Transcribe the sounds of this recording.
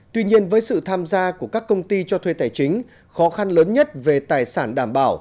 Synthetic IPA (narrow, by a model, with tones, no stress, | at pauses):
t̪wi˧ɲi˧ənvəː˨˦jsɨ̰˧˨t̪ʰaː˧mzaː˧ku˧˩əkaː˦˥kːə˧wŋ͡mt̪i˧t͡ɕɔ˧t̪ʰwe˧˩t̪aː˧˩jt͡ɕï˨˦ŋ̟ | xɔ˨˦xa˧nləː˨˦nɲə˦˥t̚ve˨˩t̪aː˨˩jsaː˧˩nɗaː˧˩mɓa̰ː˧˩w